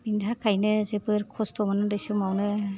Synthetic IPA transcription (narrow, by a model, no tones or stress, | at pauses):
bindʱakʰajnɯzebɯɾkʰɔstʰɔmanɯdɯjsɯmawnɯ